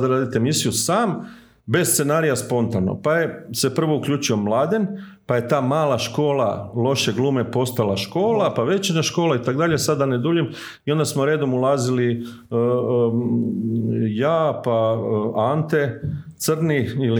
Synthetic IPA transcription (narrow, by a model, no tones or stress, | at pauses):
d̪aɾaːd̪it̪emisijusaːm | be̞sst̪se̞naːɾijaspo̞nt̪ano̰pajese̞pr̩ʋo̞ukʎuːt͡ʃio̞mlˠaːd̪en | paje̞t̪aːmaːlaʃko̞ːlˠalˠo̞ʃeɡlˠuːme̞po̞st̪alˠaʃko̞ːlapaʋe̞t͡ʃinaʃko̞ːlait̪akd̪aʎe̞sad̪aned̪uʎem | io̞nd̪asmoɾeːd̪o̞mulaːzili | jaːpaant̪e̞t̪srniil